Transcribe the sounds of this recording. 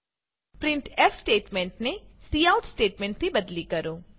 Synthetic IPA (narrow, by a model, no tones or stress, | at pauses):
pɾɪ̃ɳʈɛfsʈeːʈmẽɳʈnesiːaːʊʈsʈeːʈmẽɳʈ̚t̪ibɐd̪likɐɾoː